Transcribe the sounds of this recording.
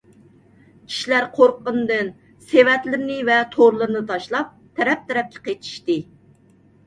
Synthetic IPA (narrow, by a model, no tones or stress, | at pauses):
kʲʰi̥ʃlæɾqʰoɾqːənd̪ɨn | sewɛt̪lɪɾɪnɪvɛt̪ʰoɾlˠɨɾnɨt̪ʰɑʃlˠɑp̚t̪ʰɛɾɛp̚t̪ʰɛɾɛp̚kʲʰɛ̥qʰet͡ʃ̪ʰi̥ʃt̪ɨ